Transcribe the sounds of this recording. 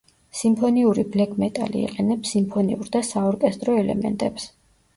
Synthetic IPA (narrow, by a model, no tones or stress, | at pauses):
simpʰɔniuɾiblɛkʰʼmɛt̪ʼa̰lḭːqʼɛnɛpsimpʰɔnḭuɾd̪asaɔɾkʼɛst̪ʼɾɔɛlɛ̰mɛ̰nt̪ʼɛps